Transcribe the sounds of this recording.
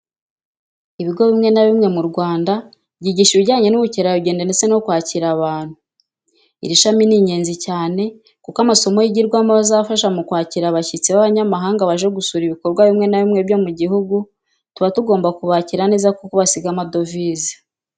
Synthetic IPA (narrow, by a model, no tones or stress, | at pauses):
iβiɡo̞βimŋe̞naβimŋe̞muɾɡwaːnda | bɟiɟiʃiβiɟaːɲe̞nuβuceɾajuɟeːndanet͡seno̞kwaːciɾaβaːn̥hu | ḭɾiʃaminiɲe̞ːnzicaːne̞ | kukamaso̞mojiɟiɾɡwamazafaʃamukwaːciɾaβacit͡siβaβaɲamaɦaːŋɡaβaʒeɡusuɾiβiko̞ɾɡwaβimŋe̞naβimŋe̞βjo̞muɟiɦuɡu | tuβatuɡo̞ːmbakuβaːciɾane̞ːzakokuβasiɡamadoviːzi̥